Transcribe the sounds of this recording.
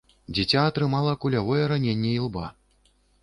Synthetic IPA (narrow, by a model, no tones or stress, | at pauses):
d͡zʲit͡sʲaːt̪ɾɨmalˠɐkulʲavɔjɛɾanʲenʲːɛilˠba